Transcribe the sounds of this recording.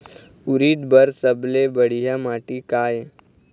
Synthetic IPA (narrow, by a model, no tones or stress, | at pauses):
ʊɾiːd̪bɐɾsəblebɐɽ̤ijamaːʈikaːje